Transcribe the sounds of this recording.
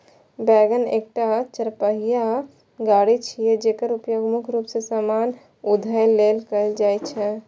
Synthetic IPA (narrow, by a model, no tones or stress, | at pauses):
bɛːɡənḛːk̚ʈat͡ʃəɾpəɦija | ɡaːɽit͡ʃʰied͡ʒeːkəɾʊpjoːɡmʊkʰɾupsesamaːn | ud̪ʱəjleːlkəld͡ʒaːit͡ʃʰɛ